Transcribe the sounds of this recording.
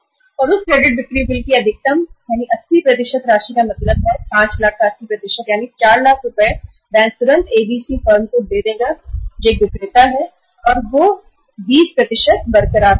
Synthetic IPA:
ɔːɾʊskɾeːɖɪʈ̚d̪ɪkɾibɪlkiɐd̪ʱɪk̚t̪əmjaːniʔɐsːipɾɐt̪̬ɪʃət̪ɾaːʃikamɐt̪ləbɦɛpãːt͡ʃlaːkʰkaɐsipɾɐt̪ɪʃət̪jaːnit͡ʃaːɾlaːkʰɾʊpɛ | d̪ɛ̃ːnt̪ʊɾə̃nt̪eːbiːsifəːɾmkod̪eːd̪eːɡad͡ʒeːkʋɪkɾeːt̪aɦɛ | ɔːɾʋo | biːspɾɐt̪ɪʃət̪̚bɐɾkəɾaː

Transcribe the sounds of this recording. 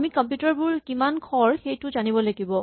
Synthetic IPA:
mikɔmpjutaɹbʊɹkimankʰɔɹxejtʊzanibɔlaɡibɔ

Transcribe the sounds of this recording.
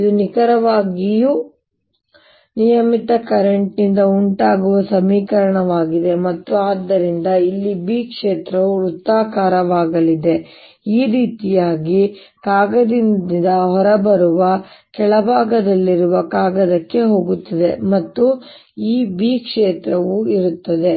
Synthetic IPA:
id̪unikɐɾɐʋaːɡiju | nijɐmit̪ɐkɐɾeɳʈnind̪ɐuɳʈaːɡuʋɐsɐmiːkɐɾɐɳɐʋaːɡid̪e̞mɐt̪ːuaːd̪ːɐɾind̪ɐilːibiːkʂeːt̪ɾɐʋuut̪ːaːkaːɾɐʋaːɡɐlid̪e̞ | iːɾiːt̪ijaːɡi | kaːɡɐd̪ind̪ɐɦɔɾɐbɐɾuʋɐkɛɭɐbʱaːɡɐd̪ɐlːiɾuʋɐkaːɡɐd̪ɐkːe̞ɦo̞ːɡut̪ːɐd̪e̞mɐt̪ːu | iːbiːkʂeːt̪ɾɐʋuiɾut̪ːɐd̪e̞

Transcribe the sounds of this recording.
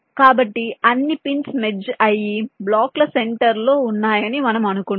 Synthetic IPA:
kaːbɐʈːiɐnːipinsmed͡ʒɐjiblaːklɐseɳʈɐɾlo̞ːunːaːjɐnimɐnɐmɐnuku

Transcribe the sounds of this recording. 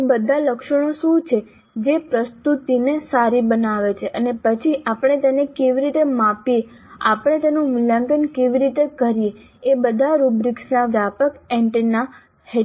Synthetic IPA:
bəd̪ʱaləkʃəɽ̃oʃũt͡ʃʰe | d͡ʒepɾəst̪ut̪inesaɾibənaʋet͡ʃʰeʔənepət͡ʃʰiʔapəɽ̃et̪enekeʋiɾit̪emapje | a̰pəɽ̃et̪enũmɪlãŋɡənkeʋiɾit̪ekəɾijeː | bəd̪ʱaɾubɾiksnaʋjapəkɛ̃ɳʈna | he

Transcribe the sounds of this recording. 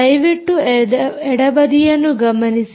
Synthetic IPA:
ɐjʋiʈːuɛɽɐbɐd̪ijɐnːuɡɐmɐnis

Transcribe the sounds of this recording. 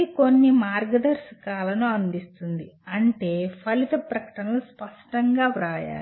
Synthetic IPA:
iko̞nːimaːɾɡɐd̪ɐɾskaːlɐnuɐnd̪ist̪und̪iɐɳʈe̞ːpʰɐlit̪ɐpɾɐkɐ̥ʈɐnɐluspɐʂʈɐŋɡaːʋɾaːja̰ː

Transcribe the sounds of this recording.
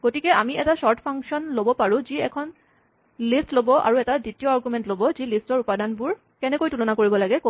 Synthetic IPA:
ɡ̥otikɛʔamiɛtasɔɹtʰpʰaŋksɔnlobɔpaɹũziɛkʰɔn | listlobɔʔa̰ɹuɛtaditiɔaɹɡumɛntlobɔzilistɔɹupadanbʊɹ | kɛnɛkojtulɔnakoɹibɔlaɡɛko

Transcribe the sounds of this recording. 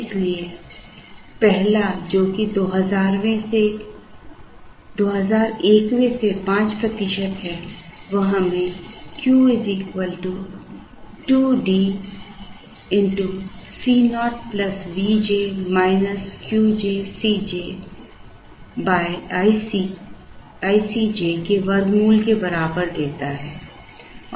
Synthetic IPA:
ɪslie | pɛɦlad͡ʒoːkid̪oːɦɐzaːɾmẽse | d̪oːɦəzaːɾeːkʋẽsepãːt͡ʃpɾɐt̪ɪʃət̪ɦɛːʋɐɦãmẽkjuːɪziːkʋəlʈu | ʈuːɖiː | ɪ̃ɳʈusiːnɔːʈ̚plɐsʋiːd͡ʒeːmaːɪnəskjuːd͡ʒeːsiːd͡ʒeː | baːɪisi | aːisid͡ʒeːkeʋɐɾɡmuːlkebɐɾaːbəɾd̪eːt̪aɦɛː

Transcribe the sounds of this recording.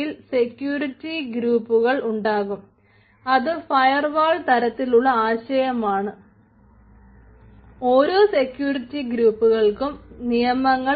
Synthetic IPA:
ilse̞kjuːɾitːiɡɾuːpːuɣɐɭuɳɖaːɣum | ɐðɨfɐjɐrʋaːɭt̪ɐɾɐt̪ːiluɭːɐaːɕɐjɐmaːɳɨ | o̞ːɾose̞kjuːritːiɡɾuːpːuɣɐɭkumnijɐmɐŋːɐ

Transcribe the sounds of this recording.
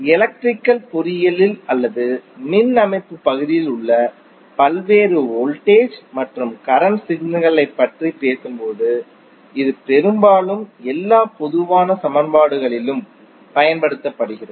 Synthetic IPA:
ɛlɐk̚ʈrɪkːɐlpʊɾɪjɐlɪlɐlːɐðɯmɪnːɐmɐɪp̪ːɯpːɐɣɯðɪjɪlʊɭːɐ | pɐlʋeːɾɯoːlʈeːd͡ʒmɐʈrɯmkɐɾɐnsɪɡnɯɣɐɭɐɪpːɐʈripeːsɯmpoːðɯ | ɪðɯpɛɾɯmbaːlɯmɛlːaːpɔðɯʋaːnɐsɐmɐnbaːɽɯɣɐɭɪlɯm | pɐjɐnpɐɽɯt̪ːɐpːɐɽɯɣɪrɐð

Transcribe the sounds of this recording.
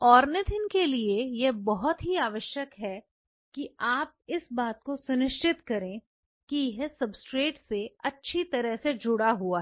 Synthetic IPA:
ɔːɾnət̪ʰɪnkeliejebɔɦʊt̪ɦiaːʋəʃjəkɦɛ | kiaːp̚ɪsbaːt̪̚kosʊnɪʃt͡ʃɪt̪kɐɾẽː | kijɪɦesɐbsʈɾeːʈseɐtːʃʰit̪ɐɾəɦsed͡ʒʊɽaɦuaɦ

